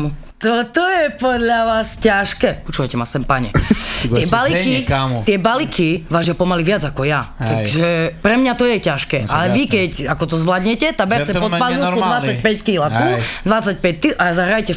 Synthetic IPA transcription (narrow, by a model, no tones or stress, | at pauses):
t̪ɔt̪ɔjɛpɔd̪ʎaʋaːscaʃkɛːpɔt͡ʃuʋajcɛmasɛmpaɲɛ̰t̪ɪɛbalikiat̪ɪɛbalikʰiʋaːʒɪjapɔmaliʋɪad͡zakɔjat̪aɡʒɛpɾɛmɲat̪ɔjɛcaʃkɛːʔalɛʋikɛcakɔt̪̬ɔzʋlad̪ɲɛcɛt̪abɛɾt͡sɛpɔpalnukud̪ʋat͡sːac̚pɛckilakuld̪ʋat͡sːac̚pɛc̚kiʔazaɦɾajcɛ